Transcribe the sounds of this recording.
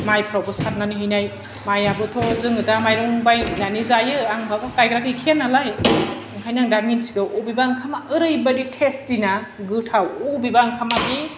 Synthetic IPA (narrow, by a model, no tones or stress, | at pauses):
majpʰɾawbɯsaɾnaniɦɯjnaj | majabɯtʰɔzɯŋɯtamajɾɔŋbajnanizajɯaŋbʰʱabakajkɾakʰikʰenːalaj | ɯŋkʰajnaŋdaminsiɡɯʔubibaŋkʰamaɯɾɯjbaditʰestinaɡɯtʰawubibaŋkʰamabi